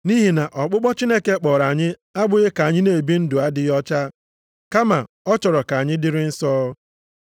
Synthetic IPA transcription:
ni˦ɦi˨na˨ʔɔ˨k͡pʊ˦k͡pɔ˦t͡ʃi˦ne˦ke˦k͡pɔː˨ɾa˨ɲɪ˦ | a˦bʊ˨ɣɪ˦ka˨ɲɪ˦ne˨bi˦n̩˦dʊ˨a˦dɪ˦ɔ˦t͡ʃa˦ | ka˦ma˨ | ɔ˦t͡ʃɔ˨ɾɔ˨ka˨ɲɪ˦dɪ˦ɾɪ˦n̩˦sɔ˦

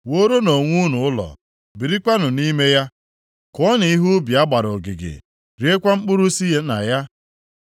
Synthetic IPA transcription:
wo˦ɾo˦no˨ŋʷu˦nʊ˨ʊ˦lɔ̰˨ | bi˨ɾi˦kʷa˦nʊ˨ni˦me˦ja˦ | kɔ˦ni˨i˦ɦu˦bi˨a˦ɡ͡ba˨ɾʊ˨ɡɪ̰˨ɡɪ̰˨ | ɾi˨˦e˦kʷa˦ŋ͡m̩˦k͡pʊ˦ɾu˦si˦e˦na̰˨ja˦

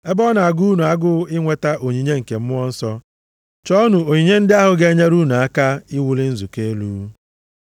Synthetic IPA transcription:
e˦bɔ˦na˨a˨ɡu˦nu˨a˦ɡʊ˦ɪ˦ŋʷe˦ta˦ʔo˨ɲi˨ɲe˦ŋ̩˨ke˨m̩˦mʊ˦ɔ˦n̩˦sɔ˦ | t͡ʃɔ˦nu˨o˨ɲi˨ɲe˦n̩˦dɪ˦a˦ɦʊ˨ɡe˦ɲe˦ɾu˦na˨a˦ka˦ɪ˦wu˦lɪ˦n̩˦zu˨ke˦e˦luː˦

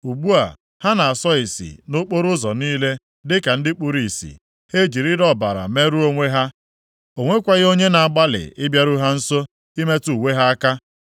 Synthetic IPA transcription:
u˨ɡ͡bu˦a̰˨ | ha˦na˨a˨sɔ˦ɪ˨sḭ˨no˦k͡po˦ɾʊ˦zɔ˨niː˦le˦ | dɪ˦ka˨n̩˦dɪ˦k͡pu˦ɾi˨sḭ˨ | he˦d͡ʒi˨ɾi˦ɾɔ˦˨ba̰˨ɾa̰˨me˦ɾu˦o˦ŋʷe˦ɦa˦ | o˨ŋʷe˦kʷa˦ɣɪ˦o˦ɲe˦na˨a˨ɡ͡ba˦lɪ̰˨ɪ˦bja˦ɾu˦ɦa˦n̩˦so˦ | i˦me˦tu˦˨we˦ɦa˦a˦ka˦

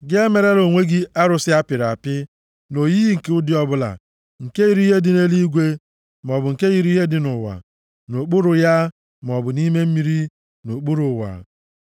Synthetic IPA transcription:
ɡe˦me˨ɾe˦ɾo˨ŋʷe˦ɡi˦ʔa˦ɾʊ˨sɪ˦a˦pɪ˨ɾa̰˨pɪ˦ | no˨ji˦ɦi˦ŋ̩˨ke˨˦ʊ˦dɪ˦ɔ˦bʊ˦la̰˨ | ŋ̩˨ke˦ɣi˦ɾi˦ɦe˦dɪ˨ne˦li˦ɡʷe˦ | m˨ɔ˨bʊ˨ŋ̩˨ke˦ɣi˦ɾi˦ɦe˦dɪ˦nʊ˨wa̰˨ | no˨k͡pʊ˦ɾʊ˨ja˦ | m˨ɔ˨bʊ˨ni˦me˦m̩˦mi˦ɾi˦ | no˨k͡pu˦ɾʊ˨wa̰˨

